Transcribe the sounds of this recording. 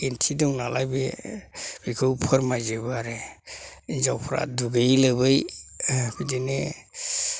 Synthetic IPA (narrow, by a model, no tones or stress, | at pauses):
entʰidɔŋnalajbe | b̥ikʰɯwpʰɯɾmajzɯbaaɾe | inzawpʰɾa̰duɡejlɯbɯj | bʰidine